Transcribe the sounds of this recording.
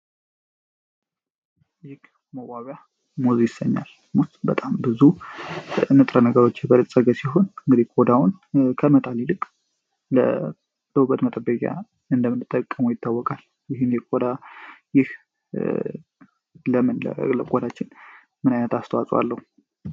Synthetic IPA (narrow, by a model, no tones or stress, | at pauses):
jɪɡ | məwaβja | muzjɪsəɲːa̰l | mʊst̪ʼbət̪ʼambɨzu | nɨt̪ʼɾənəɡəɾo̞t͡ʃːɛbəlɨsʼəɡəsiɦo̞nɨŋɡɨd̪ihkʰʼod̪awʊnkʰəmət̪ʼalilɨkʼ | lə | d̪̥əwubət̪mət̪ʼəbəkʼja̰ | ɨnd̪əmɨnɨt̪ʼːəkʼːəmujɪt̪ʰːawːɔkʼal | jɪɦɨnjɛkʼod̪ajɪh | ləmɨnlə̰lə̰kʼod̪at͡ʃːɪn | mɨnajnət̪ast̪ʰəwasʼwa̰lːəhu